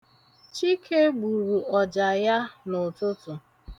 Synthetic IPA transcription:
t͡ʃi˦kʰe˦ɡ͡bu˨ɾu˨ʔɔ˨d͡ʒa˨ja˦nʊ˨tʊ˦tʊ˨

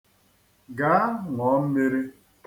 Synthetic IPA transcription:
ɡa˨˦ŋʷɔ˨˦m̩˦me˦ɾi˦

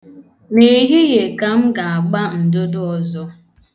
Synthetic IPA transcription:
ne˦˨˦ɦi˦ɣe˨ka˨m̩˦ɡa˨a˨ɡ͡ba˦n̩˨do˦dʊ˦ɔ˨zɔ˦

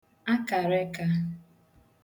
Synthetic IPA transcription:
a˦ka˨ɾe˦ka˦

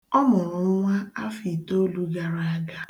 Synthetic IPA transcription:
ɔ˦mʊ˨ɾʊ˨ŋ̩˦ŋʷa˦a˦fi˨to˦lu˦ɡa˨ɾa˨a˦ɡa˦

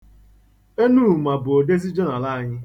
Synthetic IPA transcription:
e˦nuː˦˨ma˨bʊ˨o˨de˦zi˦d͡ʒɔ˦na˨la˦a˨ɲɪ˦

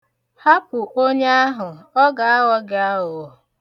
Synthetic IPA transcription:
ha˦pʊ˨ʔo˦ɲe˦a˦ɦʊ˨ɔ˦ɡa˨a˦wɔ˦ɡɪ˨a˦ʊ˨

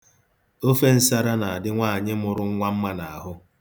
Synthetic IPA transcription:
o˦fe˦n̩˦sa˦ɾa˦na˨a˨dɪ˦ŋʷaː˦˨ɲɪ˦mʊ˨ɾʊ˦ŋ̩˦ŋʷa˦m̩˦ma˦na˨a˨ɦʊ˦

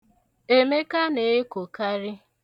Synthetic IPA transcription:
e˦me˦ka˦ne˨˦ko˨ka˦ɾɪ˦

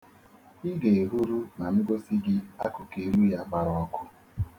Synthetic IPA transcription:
ɪ˦ɡe˨e˨ɦu˦ɾu˦na˨nʊ˦ɡo˦si˦ɡɪ˦a̰˦kʊ˨ke˦lu˦ja˨ɡ͡ba˨ɾɔ˨ɔ˦kʰʊ˦

